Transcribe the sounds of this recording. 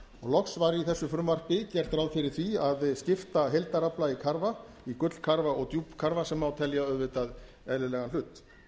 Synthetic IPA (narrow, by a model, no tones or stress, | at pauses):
ɔɣlɔksvaɾiθɛsːʏfɾʏmvar̥pɪcɛr̥t̪ɾawðfɪɾɪɾ̥θviaðscɪft̪aɦejlt̪aɾaplaikʰaɾva | ikʏt̪l̥kʰaɾvaɔɣt̪jupkʰaɾvasɛmːawt̪ʰɛljaœðvɪt̪að | ɛðlɪlɛɣanlʏːt̪